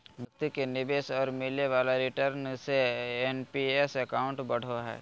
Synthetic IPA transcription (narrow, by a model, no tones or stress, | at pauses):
bʱɐkt̪ikenɪbeːʃɔːɾmɪleʋaːlaɾɪʈəɾnseenpiesɐkaːʊ̃ɳʈbɐɽ̤oɦɛ̰ː